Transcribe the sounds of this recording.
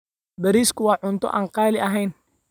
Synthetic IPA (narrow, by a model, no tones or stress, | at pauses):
bɐɾiːskʰʊwɑːʕʊnt̪ʰɔ̰ʔaːɴqɑːlɪʔɐɦɛjn